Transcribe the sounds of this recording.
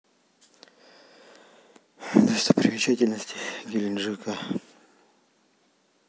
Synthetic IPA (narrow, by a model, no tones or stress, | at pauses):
d̪əst̪əpɾʲɪmʲɪt͡ɕatʲɪlʲnəsʲtʲɪ̥ɡʲilʲɪnʐɨka